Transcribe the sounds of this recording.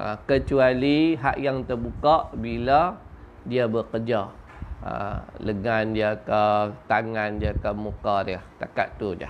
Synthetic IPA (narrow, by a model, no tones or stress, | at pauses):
ʔə̰kət͡ʃualiɦa̰ʔjaŋt̪ərbukaʔbila | diabəkərd͡ʒa | ə̰ləŋandiakət̪aŋandiakəmukaɾiaht̪a̰ka̰ʔt̪udia̰